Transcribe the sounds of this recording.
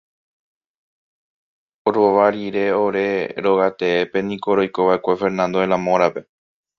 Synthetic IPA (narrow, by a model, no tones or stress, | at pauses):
oɾo̞ʋaɾiɾe̞o̞ɾe̞ɾo̞ɣat̪e̞epe̞nĩko̞ɾo̞jko̞βaʔe̞kʷe̞fe̞ɾnãnd̪o̞elãmõ̞ɾape̞